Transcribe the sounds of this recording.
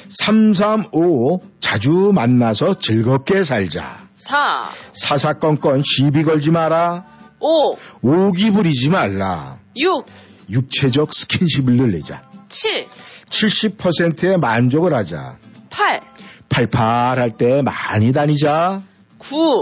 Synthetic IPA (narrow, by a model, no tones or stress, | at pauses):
sʰams̬ʰamot͡ɕad͡ʑumanːasʰʌt͡ɕɯɭɡʌk͈e̞s̬ʰaɭd͡ʑa̰sʰasʰasʰak͈ʌnk͈ʌnɕibiɡʌɭd͡ʑimaɾaooɡibuɾid͡ʑimaɭːa̰ju | juk̚t͡ɕʰe̞d͡ʑʌk̚sʰɯ̥kʰinɕʰibɯɭːɯɭːḛd͡ʑa̰t͡ɕʰit͡ɕʰiɭɕ͈ipʰʌsʰe̞ntʰɯe̞mand͡ʑoɡɯɭhad͡ʑa̰pʰalpʰaɭpʰaɾɦaɭt͈e̞maɲidaɲid͡ʑa | ku